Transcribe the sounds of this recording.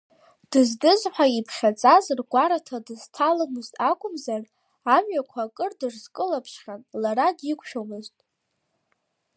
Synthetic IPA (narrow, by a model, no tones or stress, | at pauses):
d̥ɨzdɨzħʷᶣaipʰχʲat͡sʼazɨrɡʷaɾatʰadɨz̥tʰalɨmɨztʼakʷʼʊmzar | amɥakʷʰakʼɨrdɨrzkʼɨlapʰʃχʲanlaɾadikʷʃᶣomɨztʼ